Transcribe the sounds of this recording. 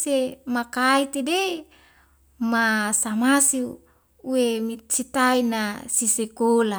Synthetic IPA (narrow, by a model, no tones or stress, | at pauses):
semakait̪ede | masamasi | uemit͡ʃit̪ainasisekola